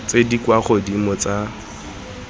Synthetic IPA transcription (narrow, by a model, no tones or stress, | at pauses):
t͡sedikwaχɔdimɔt͡sa